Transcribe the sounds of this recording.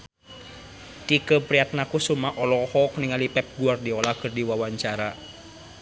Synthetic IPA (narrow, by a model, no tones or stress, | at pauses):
t̪ikəpɾiat̪̚nakusumaʔɔlɔhɔkniŋalipɛp̚ɡuardiɔlahkɨrdiwawaɲt͡ʃaɾa